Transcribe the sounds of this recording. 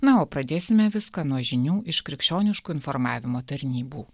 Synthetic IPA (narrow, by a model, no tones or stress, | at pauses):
nɐoːpɾɐd̪ʲeːsʲɪmʲɛʋʲɪskɐnuɔʒʲɪnʲuːʔɪʃkɾʲɪkʃʲt͡ʃʲoːnʲɪʃkuːɪnfɔɾmɑːʋʲɪmoːt̪ɐɾʲnʲiːbuː